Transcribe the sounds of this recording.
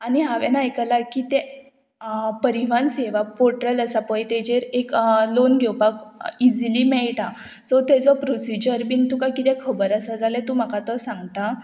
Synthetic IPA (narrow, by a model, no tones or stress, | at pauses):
aniɦaʋɛnajkəlakit̪ɛ | pəɾiʋ̤anseʋapoɾʈɾələsapəjt̪eɛd͡ʑeɾeklonɡʱewpakid͡zlimɛɭʈa | sɔt̪ɛd͡zɔpɾosid͡ʑəɾpint̪ukakit̪ɛ̃kʰəbəɾəsad͡zalet̪um̤akat̪ɔsãŋɡt̪a